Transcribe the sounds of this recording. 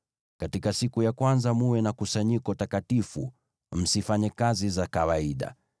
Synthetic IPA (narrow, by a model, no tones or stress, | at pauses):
katikasikujakwanzamuwɛnakusaɲikɔtakatifṵ | m̩sifaɲɛkazizakawaiɗa̰